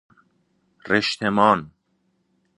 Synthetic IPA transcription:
reʃt̪ʰemɑːn

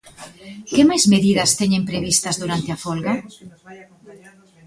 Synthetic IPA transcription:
kemajzmeðiðɐst̪ɛɲẽmpɾeβist̪ɐzðuɾant̪eafolɣa

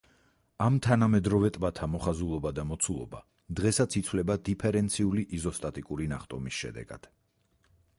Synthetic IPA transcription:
amt̪ʰanamɛd̪ɾɔvɛt̪ʼbat̪ʰamɔχazulˠɔbad̪amɔt̪sʰulˠɔ̰ba̰ | d̪ʁɛsat̪sʰit̪sʰvlɛbad̪ipʰɛɾɛnt̪sʰiuliʔizɔst̪ʼat̪ʼikʼuɾinaχt̪ʼɔmisʃɛ̰d̪ɛ̰ɡa̰d̪̥

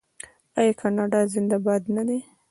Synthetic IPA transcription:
ajkʰɑnɑɖɑzɪnd̪abɑd̪nad̪e

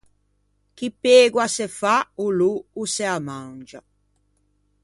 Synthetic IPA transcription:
kipeːɡwasefauluːsɛamãŋd͡ʒa

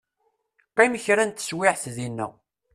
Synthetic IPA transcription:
qiməçɾænt̪ːə̥swɪʕθðinːæ̰

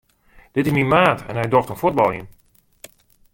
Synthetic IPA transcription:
d̥ɪtɪsminmaːtɛ̰nɦɛjdoftənfut̚bɑlˠḭn

